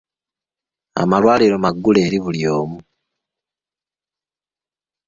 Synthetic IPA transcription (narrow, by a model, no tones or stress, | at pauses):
a̰malwaːliɾomaɡːule̞ːɾiβuljo̞ːmu